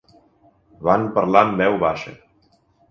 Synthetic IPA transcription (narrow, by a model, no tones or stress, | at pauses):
βanpəɾlambɛwβaʃə̰